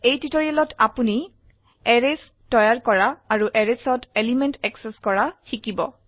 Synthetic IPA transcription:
ejtitɔɹialɔtʰapuni | eɹes | tɔjaɹkɔɹaːɹuʔeɹesɔtelimɛntɛkseskɔɹaxikibɔ̰

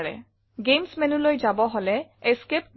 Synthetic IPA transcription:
ɹɛ̰ | ɡemsmɛnulojzabɔɦolɛeskep

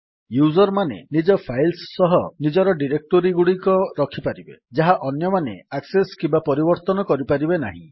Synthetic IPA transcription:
juzɔɾmanḛnid͡ʒɔpʰajlsːɔɦɔnid͡ʒɔɾɔɖiɾek̚ʈoɾiɡuɽikɔɾɔkʰipaɾibḛd͡ʒaɦaʔɔnjɔmanḛakseskimbapɔɾibɔɾt̪ɔnɔkɔɾipaɾibenaɦḭ̃

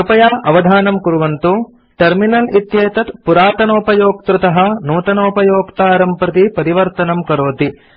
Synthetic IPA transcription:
upɐjaːʔɐʋɐd̪ʱaːnɐmkuɾuʋɐnt̪u | ʈɐɾminɐlit̪jeːt̪ɐt̪puɾaːt̪ɐnoːpɐjoːk̚t̪ɾut̪ɐɦɐ̆nuːt̪ɐnoːpɐjoːkt̪aːɾɐmpɾɐt̪ipɐɾiʋɐɾt̪ɐnɐmkɐɾoːt̪i

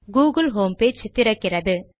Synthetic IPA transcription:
ɡuːɡɯlɦoːmpeːd͡ʒt̪ːɪɾɐkːɪrɐðɯ

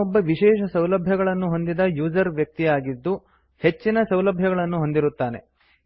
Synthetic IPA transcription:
ɔbːɐʋiʃɛːʃɐsɐwlɐbʱjɐɡɐɭɐnːuɦo̞nd̪id̪ɐjuːzɐɾʋjɐk̚t̪ijaːɡid̪ːu | he̞t͡ʃːinɐsɐwlɐbʱjɐɡɐɭɐnːuɦo̞nd̪iɾut̪ːaːne̞

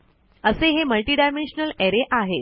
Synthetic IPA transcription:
əseɦeməlʈiːɖajmenɕnəleɾeʔaɦe

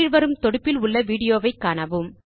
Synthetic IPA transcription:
ɪɻʋɐɾɯmt̪ɔɽɯpːɪlʊɭːɐʋiːɽɪjoːʋɐɪkːaːnɐʋɯm

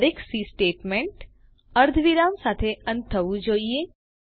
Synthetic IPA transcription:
ɾeksisʈeːʈmẽɳʈ | əɾd̪ʱʋiɾamsaːt̪ʰeə̃nt̪ʰːəʋũd͡ʒoːie

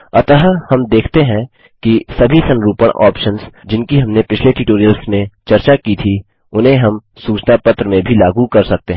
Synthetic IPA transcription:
ɐt̪əɦəhɐmd̪eːkʰt̪eɦɛ̃ | kisɐbʱisɐ̃nɾuːpəɽ̃ʔɔ̰ːpʃənsd͡ʒɪnkiɦɐmnepɪt͡ʃʰleʈɪʈoːɾijəlsmẽt͡ʃɐɾt͡ʃakit̪ʰi | ʊnɦẽɦɐm | suːt͡ʃnapɐt̪ɾəmẽbʱilaːɡukɐɾsɐk̚t̪eɦ

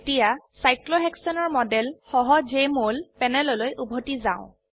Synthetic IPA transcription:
etijasajkloɦɛksɔnɔɹmɔdɛlxɔɦɔd͡ʒemolpɛnɛlɔlojʔubʱotizaʊ̃

